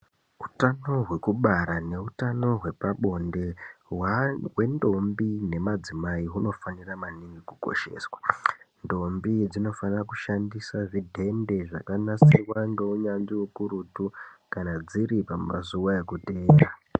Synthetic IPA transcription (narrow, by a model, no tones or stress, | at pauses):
utano̞ɦwe̞kuɓaɾane̞utano̞ɦwe̞paɓo̞nde̞wwe̞ndombine̞mad͡zimaiɦuno̞faniramaniŋɡikuko̞̰ʃe̞̰ːswḁndo̞mbid͡zino̞fanirakuʃandisaʐidʱe̞nde̞ʐakanasirwaŋɡe̞uɲand͡ʒiukuɾutukanad͡ziɾipammazuwae̞kute̞ːa